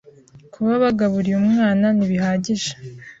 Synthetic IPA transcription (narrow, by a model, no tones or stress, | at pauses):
kʰuβaβaɡaβuɾiumŋaːnaniβihaːɟiʒḁ